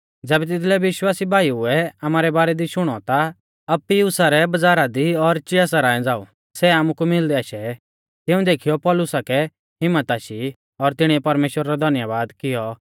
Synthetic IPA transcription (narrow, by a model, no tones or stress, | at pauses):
d͡zɛːbɛt̪ɪt̪ʰlɛʋɪʃwaːsibʱaːiuɛɐmaːɾɛbaːɾɛd̪iʃʊɽ̃ɔt̪a | ɐbpijʊsaɾɛbɐd͡zaːɾad̪iɔɾt͡ʃɪas̬aɾaːɛ̃d͡zaːṵ | sɛaːmukumɪld̪ɛaːʃɛ | t̪ɪ̃ũd̪eːkʰijɔpɔlʊsakɛ | ɦɪmːət̪aʃi | ɔɾt̪ɪɽ̃iɛpɐɾmeːʃwəɾaɾɔd̪ʱɐnjəʋaːd̪kɪjɔ